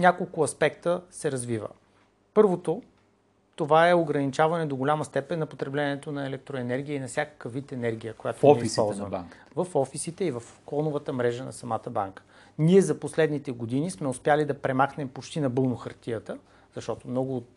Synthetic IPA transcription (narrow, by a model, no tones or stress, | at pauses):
nʲakolˠkʊɐspɛkt̪əsɛɾɐzvivə̰ | pɤɾvot̪o | t̪ovaɛoɡɾɐnit͡ʃavɐnɛd̪oɡolʲaməst̪ɛpɛnːɐpot̪ɾɛblɛnʲɛt̪onɐɛlɛk̚t̪ɾoɛnɛɾɡʲiəinɐfsʲakə̥kəvit̪ɛnɛɾɡʲijəkojat̪oɛisppɔlˠzvəm | vɐfɔfisit̪ɛivɐfklɔnʊvət̪əmɾɛʒənɐ̰sɐmat̪əba̰ŋkə̥ | niɛzɐposlɛd̪nit̪ɛɡod̪inismɛʊspjalid̪ɐpɾɛmaxnɛmpot͡ʃt̪inɐbɤlˠnoxɐɾt̪ijət̪ə | z̥ɐʃt̪ɔt̪omnɔɡʊːt̪̚